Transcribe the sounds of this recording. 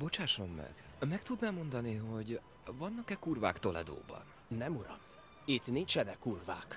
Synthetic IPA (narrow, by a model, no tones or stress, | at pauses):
bo̞t͡ʃaːʃo̞mːɛ̰ɡ̥ | mɛkt̪ud̪namo̞nd̪ɒniɦo̞ɟ | vɒnːɒkɛkuːrva̰ːkt̪o̞lɛ̰d̪o̰ːbɒ̰n | nɛmuɾɒ̰m | it̪nint͡ʃɛnɛkuːrva̰ːk